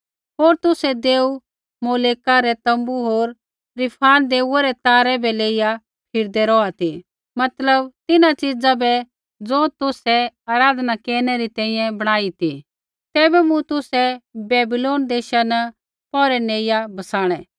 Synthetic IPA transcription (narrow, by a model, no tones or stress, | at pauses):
ɦoːɾt̪ʊsɛd̪eːu | moːleːkaɾɛt̪ɐ̃mbuɦoːɾ | ɾɪpʰaːnd̪eːuaɾɛt̪aːɾɛbɛleːɪja | pʰɪɾd̪ɛɾɔat̪i | mɐt̪ləbt̪ɪnat͡ʃɪd͡zabɛ | d͡zoːt̪ʊsɛaːɾaːd̪nakeːɾñɛɾit̪ɛ̃ːĩjɛ̃bɐɽ̃aːit̪ḭ | t̪ɛːbɛmũt̪ʊsɛbɛːbɪloːnd̪eːʃanɐ | pɔːɾɛneːɪjabɐsaːɽ̃ɛ̃